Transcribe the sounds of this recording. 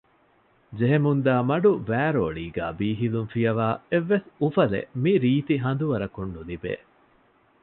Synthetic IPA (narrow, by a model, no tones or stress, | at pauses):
d͡ʒeɦemund̪aːmɐɖuʋæːɾoːɭiːɡæ̰ːbiːɦilunfijɐʋaːeʋːesufɐlḛmiɾiːt̪iɦɐnd̪uʋɐɾɐkunːulibḛː